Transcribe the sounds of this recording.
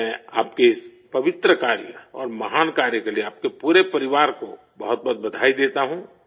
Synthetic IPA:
ɛ̃aːpkeɪs | pɐʋɪt̪ɾəkaːɾjəɔːɾmɐɦaːnkaːɾjəkelieaːp̚kepuːɾepɐɾɪʋaːɾko̰ | bɐɦʊt̪̚bɔɦt̪̚bɐd̪ʱaːid̪eːt̪aɦũ

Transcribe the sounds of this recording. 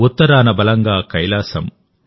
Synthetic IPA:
ut̪ːɐɾaːnɐbɐlɐŋɡaːkɐjlaːsɐm

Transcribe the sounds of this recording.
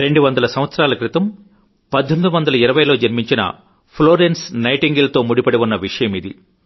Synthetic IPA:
ɾeɳɖuʋɐnd̪ɐlɐsɐm̃ʋɐt̪sɐɾaːlɐkɾit̪ɐm | pɐd̪ʱːɐmid̪uʋɐnd̪ɐlɐiɾɐʋɐjlo̞ːd͡ʒɐɾmiɲt͡ʃinɐ̰ | pʰloːɾensnɐjʈiŋɡilt̪o̞ːmuɽipɐɽeʋunːɐʋiʂɐjɐmid̪ḭ

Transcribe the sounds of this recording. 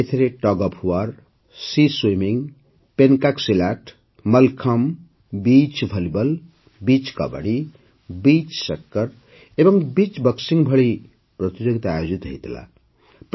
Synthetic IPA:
et̪ʰeɾeʈʌɡʌpʰuwar | siswimiŋ | penkaksilaʈʰ | mʌlkʰʌm | bit͡ʃbʱʌlibʌl | bit͡skʌ̰bʌ̰ɽi | bit͡ʃsʌkːʌr | ebʌŋbit͡sbʌksiŋbʱʌɽi | prʌt̪id͡zoɡit̪ajod͡zit̪ɦʌ̰jt̪ʰila̰ | p

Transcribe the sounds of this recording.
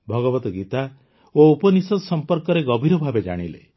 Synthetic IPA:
bʱɔɡɔbɔt̪ɔɡit̪a | oupɔnisɔsɔmpɔɾkɔɾeɡɔbʱiɾɔbʱabed͡ʒa̰ɽ̃ilḛ

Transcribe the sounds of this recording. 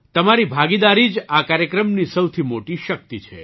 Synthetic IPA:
t̪əmaɾibʱaɡid̪aɾid͡ʒakaɾjəkɾəmnisəwt̪ʰimoʈiʃək̚t̪it͡ʃʰḛ

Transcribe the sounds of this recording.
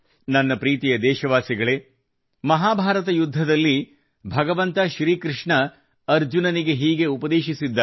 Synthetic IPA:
nɐnːɐpɾiːt̪ijɐd̪ɛːʃɐʋaːsiɡɐɭe | mɐɦaːbʱaːɾɐt̪̬ɐjud̪ʱːɐd̪ɐlːi | bʱɐɡɐʋɐnt̪ɐʃɾiːkɾɪʂɳɐ | ɐɾd͡ʒunɐniɡe̞ɦiːɡe̞upɐd̪eːʃisid̪ːɐ

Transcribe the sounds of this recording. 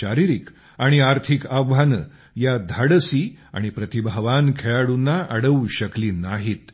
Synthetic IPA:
ɕaɾiɾik | aɽ̃iaɾt̪ʰikabʱanə | jad̪ʱaɽəsiːa̰ɽ̃ipɾət̪ibʱaʋankʰeɭaɽunːaʔəɽəuɕəkliːnaɦiːt̪

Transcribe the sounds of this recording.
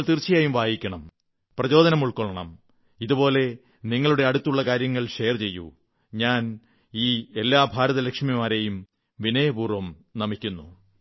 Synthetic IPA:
ɭt̪irt͡ɕːijaːjumʋaːjikʲːɐɳɐm | prɐt͡ɕo̞ːðɐnɐmuɭkoɭɐɳɐ̰m | iðupo̞ːle̞ | niŋːɐɭuɽe̞ɐɽut̪ːuɭːɐkaːɾjɐŋːɐɭɕe̞jɐrt͡ɕe̞jːṵ | ɲaːn | iːe̞lːaːbʱaːɾɐðɐlekʂmimaːɾe̞jum | ʋinɐjɐbuːrʋɐmnɐmikʲːunːṵ

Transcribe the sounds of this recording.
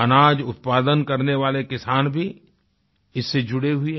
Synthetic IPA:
ɐnaːd͡ʒʊt̪̚paːd̪ənkɐɾneʋaːlekɪsaːnbʱi | ɪsːed͡ʒʊɽeɦʊe

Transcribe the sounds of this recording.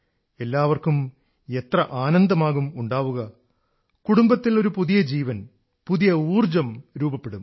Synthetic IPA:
e̞lːaːʋɐrkum | e̞t̪rɐʔaːnɐnd̪ɐmaːɣumuɳɖaːʋuɣɐ | kuɽumbɐt̪ːilo̞ɾupuðijɐd͡ʑiːʋɐn | puðijɐuːrd͡ʑɐmɾuːbɐpːe̞ɽum

